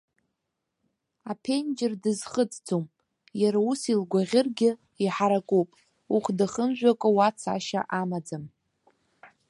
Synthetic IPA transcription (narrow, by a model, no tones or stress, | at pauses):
apʰend͡ʒɪrdɨzχət͡sʼd͡zʰom | jaɾausilɡʷaʁʲɪrɡʲɪ | iħaɾakʷʼupʼ | uχʷʰdaχəmʒᶣʷakʷʼawat͡sʰa̰ʃa̰ʔamad͡zam